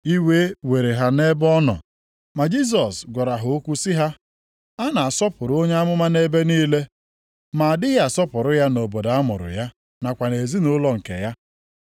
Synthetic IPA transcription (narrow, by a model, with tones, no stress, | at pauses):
i˦we˦we˨ɾe˨ɦa˦ne˦bɔ˦nɔ̰˨ | ma˨d͡ʒi˦s̬ɔ˨sɡʷɔ˨ɾa˨ɦʊ˨o˦kʷu˦sɪ˦ɦa˦ | a˦na˨a˨sɔ˦pʊ˨ɾo˦ɲe˦a˦mʊ˦ma˦ne˦be˦niː˦le˦ | ma˨a˨dɪ˦ɣa˨sɔ˦pʊ˨ɾʊ˦ja˦no˨bo˨da˨a˦mʊ̰˨ɾʊ̰˨ja˦ | na˨kʷa˨ne˨zi˦nʊ˦lɔ˦ŋ̩˨kḛ˨ja˦